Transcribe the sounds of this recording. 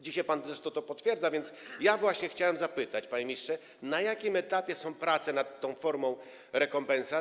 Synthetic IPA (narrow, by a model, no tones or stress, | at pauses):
d͡ʑiɕajpanzɛʂt̪ɔt̪ɔpɔt̪fʲjɛɾd̪zavʲjɛnt̪sjavwaɕɲɛxt͡ɕawɛmzapɘt̪at͡ɕpaɲemʲistʂɛ | najakʲimɛt̪apʲjɛsɔ̃w̃pɾat̪sɛnat̪ːɔ̃w̃fɔɾmɔ̃w̃ | ɾɛkɔmpɛ̃nsa